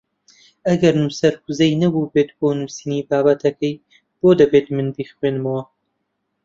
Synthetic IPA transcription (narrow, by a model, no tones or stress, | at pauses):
ɐɡɐɾnusɐɾkuzɐjnɐbubeːt̪̚boːnuːsiːniːbaːbɐt̪ʰɐkɐj | b̥oːd̪ɐbeːt̪mɨnd̪iːxwenmɐwɐ